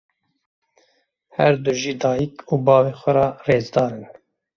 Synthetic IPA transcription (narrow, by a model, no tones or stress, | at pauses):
hɛɾd̪uʒiːd̪ɑːjikʰuːbɑːveːxʷɛɾɑːreːzd̪ɑːɾɨn